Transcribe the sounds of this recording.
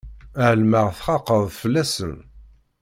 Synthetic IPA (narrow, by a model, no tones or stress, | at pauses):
ʕəlməʁθχɑqəðˤfəlːæsən